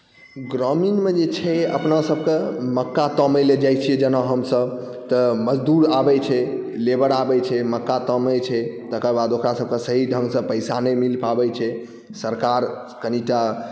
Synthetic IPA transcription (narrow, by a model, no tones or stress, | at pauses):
ɡɾɔminmed͡ʒet͡ʃʰɛə̰pnasəb̚keməkːat̪əməled͡ʒajt͡ʃʰijɛd͡ʒənaɦəmsəb | t̪əməd͡ʒd̪uɾabɛt͡ʃʰɛlebəɾabɛt͡ʃʰɛməkːat̪əmət͡ʃʰɛt̪əkəbad̪okɾasəb̚kesəɦiɖʱəŋɡsə̃pəjsanemilpabɛt͡ʃʰɛ | səɾkaɾ | kəniʈa